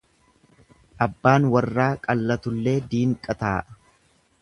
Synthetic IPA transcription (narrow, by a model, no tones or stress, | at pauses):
ʔɐbːaːnwɐrːaːkʼɐlːɐt̪ʊlːe̞ːd̪iːŋkʼːɐt̪aːʔ